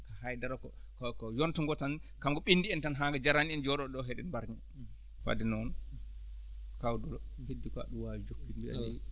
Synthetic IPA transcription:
kahajdaɾɔkɔ | kɔkɔjɔntɔŋɡɔtankamɡɔɓindiɛntanɦaɡad͡ʒaɾaniɛnd͡ʒɔɗɔɗɔɦɛɗɛ̰nbaɾɲa | fa̰dɛnɔn | kawdɔlɔhedːikɔa̰ɗuwawid͡ʒokːinbia̰i

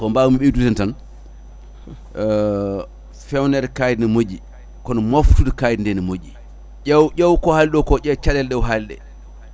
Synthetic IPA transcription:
kɔmbawumiɓedutɛntan | fɛwnɛɾkajdinɛmod͡ʒi | kɔnɔmaftudɔkajdindɛnimod͡ʒi | ɛwʔɔwkɔhalɗɔwkɔʔɛt͡ʃaɗɛlɗɛwɦalɗɛ̰

